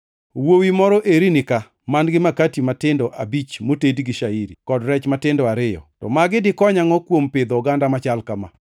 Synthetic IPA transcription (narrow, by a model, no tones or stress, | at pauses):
wowimɔɾɔʔeɾinɪka | manɡɪmakatimatɪndɔʔabit͡ʃmotedɡɪʃaiɾḭkɔdɾɛt͡ʃmatɪndɔaɾɪjɔ̰tɔ̰maɡɪdɪkɔɲaŋɔkwompɪd̪ɔɡandamat͡ʃalkama̰